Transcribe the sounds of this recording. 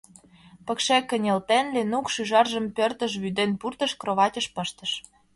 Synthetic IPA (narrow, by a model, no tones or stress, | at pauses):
pə̆kʃekːə̆nʲelt̪enlenukʃyʒɑrʒə̆mpørt̪ə̆ʃ̬βyd̪enpurt̪ə̆ʃkroβɑtʲə̆ʃpə̆ʃt̪ə̆ʃ